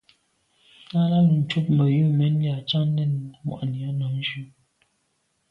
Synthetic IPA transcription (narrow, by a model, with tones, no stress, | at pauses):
a˦la˦˨n̩˨t͡ʃu˦p̚mə˨ju˦˨mɛ˨˦n˦lja˨t͡ʃa˦ŋ˦nɛ˦˨nmwa̰˨ʔni˨a˨˦nɔ˨˦n˦d͡ʒu˦